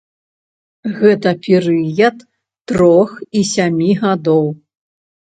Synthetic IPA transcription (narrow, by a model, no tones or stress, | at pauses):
ɣɛt̪ɐpʲɛɾɨjɐt̪ː | ɾɔxisʲamʲiɣad̪ɔw